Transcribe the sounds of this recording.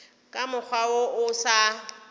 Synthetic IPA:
kʼamʊk͡xʰwaoʔʊsa

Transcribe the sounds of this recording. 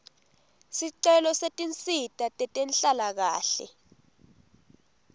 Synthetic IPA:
siǀɛlɔsetʼint͡sʼitʼatʼɛtʼenɬalak̬a̰ːɬɛ̰

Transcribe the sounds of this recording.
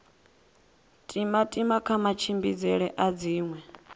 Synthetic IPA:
tʼimatʼimakʰamat͡ʃʰimbḭd͡zɛɺɛʔad͡ziːŋwɛ

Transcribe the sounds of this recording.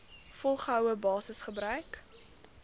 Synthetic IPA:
fɔlˠχəɦœwəbɑːsəsχəbɾœɥk

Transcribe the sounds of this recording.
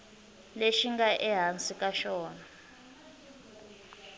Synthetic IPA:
leʃiŋɡaʔɛɦansʼikʼaʃɔːna

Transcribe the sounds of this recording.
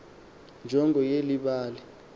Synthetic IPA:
nd͡ʒʱɔŋɡʱɔjeliɓaːlɛ

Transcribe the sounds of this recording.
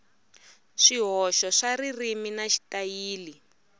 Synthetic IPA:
ʂiɦɔʃɔʂaririminaʃi̥tajiːli

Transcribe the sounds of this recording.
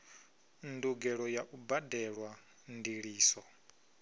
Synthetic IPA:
nduɡɛɺɔjaʔubadɛɺwa | ndiɺiːsɔ

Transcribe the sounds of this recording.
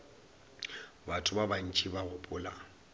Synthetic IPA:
batʰʊbaban̩t͡ʃʼibaɣʊpʼʊːla̰

